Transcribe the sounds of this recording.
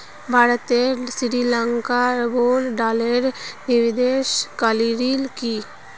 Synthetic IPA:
bʱaːɾət̪esiɾilãŋkaboːlɖaːleɾniʋid̪eːʃkaliɾiːlki

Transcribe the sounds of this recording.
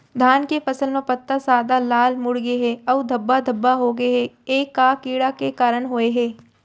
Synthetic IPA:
d̪ʱaːnkefɐsəlmepət̪ːasaːd̪alaːlmʊɽɡeɦɛːɔːʋd̪ʱɐbːad̪ʱɐbːaɦoːɡeɦɛeːkːaːkiːɽakekaːɾəɳ̃ɦoːeɦɛː

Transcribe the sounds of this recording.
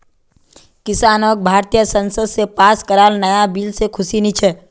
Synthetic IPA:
kɪsaːnoːk̚bʱaːɾt̪ijəsə̃nsəd̪sepaːskəɾaːlnəjabiːlsekʰʊsinit͡ʃʰɛ

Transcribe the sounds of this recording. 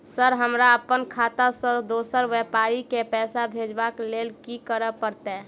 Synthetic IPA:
səɾɦəmɾaəpənkʰat̪asə̃d̪osəɾʋɛpaɾikepɛːsabʱed͡ʒbaklelkikəɾəpəɾt̪ɛ

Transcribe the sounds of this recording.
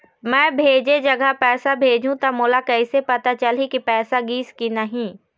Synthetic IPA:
mɛ̃ːbʱeːd͡ʒed͡ʒɐɡəpɛːsabʱeːd͡ʒʱũt̪ɐmoːlakɛɪsepɐt̪at͡ʃɐlikipɛːsaɡiːskinɐɦĩː

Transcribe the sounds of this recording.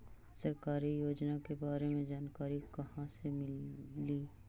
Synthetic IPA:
sɐɾkaːɾijoːd͡ʒnakebaːɾemẽd͡ʒaːnkaːɾikɐɦãsemɪliː

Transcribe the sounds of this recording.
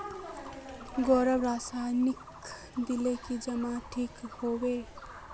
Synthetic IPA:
ɡoɾʌbɾasajnik | d̪ilekid͡ʒʌmaʈʰikhowe

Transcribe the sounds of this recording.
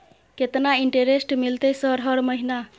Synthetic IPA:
ket̪naiɳʈeɾesʈmilt̪esəɾɦəɾməɦina

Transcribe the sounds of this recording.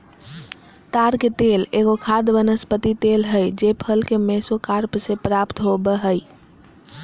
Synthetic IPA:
t̪aɾket̪eleɡokʰad̪ʋənəspət̪it̪elɦəjd͡ʒepʰəlkemesokaɾpsepɾapt̪ɦobəɦəj

